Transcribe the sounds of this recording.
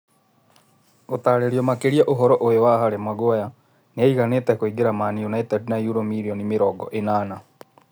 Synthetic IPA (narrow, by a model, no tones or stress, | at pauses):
otaːɾeɾiɔmakeɾiaʔoɦɔɾɔʔoewaɦaɾemwaɡwaja | neaiɣanetɛkoiɡeɾamanionaitɛdnajuɾomiɾiɔnimeɾɔːɡɔ̰ʔenaːna